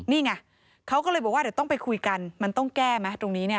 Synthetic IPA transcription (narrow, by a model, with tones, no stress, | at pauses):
niː˥˩ŋa˧˥˩ | kʰa˦˥wkɔː˥˩lɤː˧jbɔ˨˩kwaː˥˨˩wt̪ɔ˥˩ŋpa˧jkʰu˧jka˧nma˧nt̪ɔ˥˩ŋkɛː˥˩ma˦˥t̪ɾo˧ŋniː˦˥ni˥˩ɐ